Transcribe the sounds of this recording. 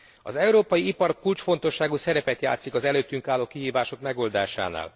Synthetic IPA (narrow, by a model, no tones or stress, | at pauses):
ɒ̰zɛuɾoːpɒjiipɒrkult͡ʃfo̞n̪t̪o̞ʃːaːɡuːsɛɾɛpɛt̪ja̰ːt̪sikɒzɛløːt̪ːyŋkaːlːoːkiɦiːvaːʃo̞kmɛɡo̞ld̪aːʃa̰ːna̰ːl